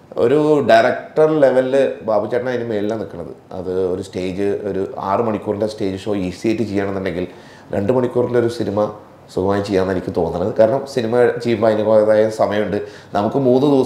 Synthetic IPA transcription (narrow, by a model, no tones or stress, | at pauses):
o̞̰ɾuɖɐjɾɐkʈɐrle̞ʋɐlːɨbaːbut͡ɕːɐʈɐnaːinumːe̞ːɭilːaːnikːɐɳːɐðɨ̰ɐ̰ðɨo̞ɾusʈe̞ːd͡ʑɨo̞ɾua̰ːrɨmɐɳikʲːuːrndesʈe̞ːd͡ʑɨʂo̞ːiːsijejtːɨt͡ɕejːaːɳenːiɳɖe̞ŋɡil | ɾe̞̰ɳɖɨmɐɳikʲːuːrnleo̞ɾusinimɐ | sukɐmaːjit͡ɕejːaːnːenikʲːɨt̪o̞ːnːɐɳːɐðɨkaːɾɐɳɐmsinimɐt͡ɕeijːumbaːjnikoeðaːjɐsɐmɐjɐmuɳɖɨ | nɐmukːɨmuːnːɨd̪iʋɐ